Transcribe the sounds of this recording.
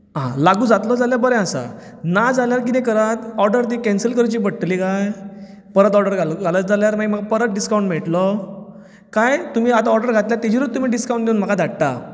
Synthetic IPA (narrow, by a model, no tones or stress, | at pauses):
ɦã̰laɡũːd͡zat̪lɔd͡zaljabəɾɛ̃asa̰ | nad͡zaljaɾkinẽkəɾat̪ɔɾɖəɾt̪ikɛ̃nsəlkəɾt͡ɕiːbəɽʈ̪likaj | pəɾət̪ɔɾɖəɾɡʱalɡʱaləd͡zaljaɾm̤aim̤əɡapəɾət̪̚ɖiskawɳʈmɛʈlɔ | kajt̪um̤iːat̪aɔɾɖəɾɡʱat̪ljat̪ed͡ʑiɾut̪ːum̤iːɖiskaũɳʈneunm̤əkʰad̪ʱaɽt̪a̰